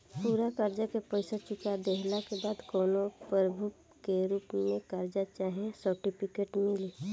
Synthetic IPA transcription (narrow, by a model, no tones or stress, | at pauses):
puːɾakaɾd͡ʒakepəɪsat͡ʃʊkad̪eɦlakebaːd̪kɔːnopəɾəbʱu | keɾuːpmẽkaɾd͡ʒat͡ʃaːɦẽsəɾʈipʰɪkeːʈmɪli